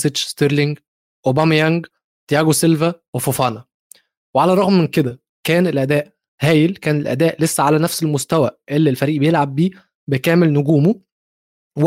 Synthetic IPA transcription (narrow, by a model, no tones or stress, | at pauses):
sed͡ʒst̪eɾliŋɡ | ʔobæmjæŋɡ | t̪jæɡoselvæwefofɑːnɑ | weʕalæɾˤɑɣmːenked̪æ | kæːnelʔæd̪æːʔ | hæːjelkæːnelʔæ̰d̪æːʔlesːæʕalænæfselmost̪æwæʔelːielfæɾiːʔbejelʕab̚ːiː | bekæːmelnʊɡuːmo | w